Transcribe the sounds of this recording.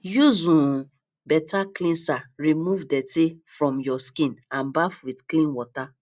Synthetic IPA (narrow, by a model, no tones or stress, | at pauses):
juzũ | bɛtaklĩnsaɹimuvdɛtefɹɔ̃mjɔskĩnãnbafwidklĩnwɔta